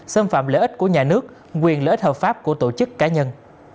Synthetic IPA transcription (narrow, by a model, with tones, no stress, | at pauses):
sə˧mfa̰ː˧˨mlə̰ː˧˦ʔi˦˥t̟̚ku˧˩əɲaː˨˩nɨ˦˥ək̚ | kwi˨˩ənləː˧ʔi˦˥t̚həː˨˩p̚faː˦˥p̚ku˧˩ət̪o˧˩t͡ɕɨ˦˥kːaː˨˦ɲə˧n